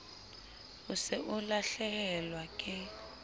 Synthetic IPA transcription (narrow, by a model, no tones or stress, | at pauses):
usɛʔulaɬɛkɛlwakʼɪ